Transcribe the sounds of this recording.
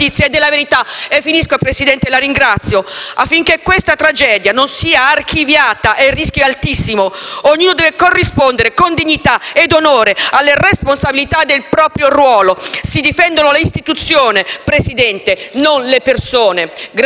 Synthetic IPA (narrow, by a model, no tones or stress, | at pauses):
it̪sjeed̪ːelːaveɾit̪aefːiniskopɾesid̪ɛnt̪elaɾiŋɡɾat̪sːjoafːiŋk̟ekwest̪at̪ɾad͡ʒɛːd̪janonsiːaːrk̟ivjaːt̪aʔerːisk̟joalt̪isːimooɲːuːnod̪ɛvekorːispond̪eɾekond̪iɲːit̪aed̪onoːɾealːeresponsabilit̪ad̪ːelpɾɔːpɾjorwɔːlosid̪ifɛnd̪onoleist̪it̪ut̪sːjoːnepɾesid̪ɛnt̪enonlepersoːneɡ